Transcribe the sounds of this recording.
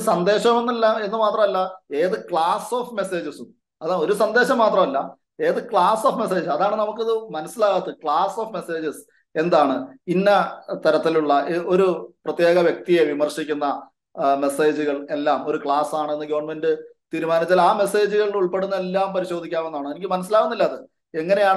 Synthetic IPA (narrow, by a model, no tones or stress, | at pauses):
sɐnd̪e̞ːɕɐmenːelːaːme̞nːɨmaːt̪rɐmɐlːɐe̞ːðɨkɭaːsoːfme̞se̞ːd͡ʑɨs | ɐðo̞ɾusɐnd̪e̞ːɕɐmːaːt̪rɐmɐlːɐ̰ | e̞ːðɨkɭaːsoːfme̞s̬e̞ːd͡ʑsɐðaːɳɨnɐmuk̬ːɨɐðɨmɐnɐsːilaːɣɐt̪ːɨkɭaːsoːfme̞se̞ːd͡ʑɨs | e̞nd̪aːɳɨinːɐt̪ɐɾɐt̪ːiluɭːɐo̞ɾuprɐt̪ːjeːɣɐʋjɐk̚t̪ije̞ʋimɐrɕikʲːunːɐ | mese̞ːd͡ʑuɣɐɭe̞lːaːmo̞ɾukɭaːsaːɳɨenːɨɡɐʋɐɳme̞ndɨt̪iːɾumaːnit͡ɕːalaːme̞se̞ːd͡ʑuɣɐɭuɭpe̞ɽunːɐelːaːmpɐɾiɕo̞ːd̪ikʲːaːme̞nːaːɳɨe̞nikʲːmɐnɐs̬ːilaːɣunːilːɐːðɨ | e̞ŋːɐne̞jaːɳ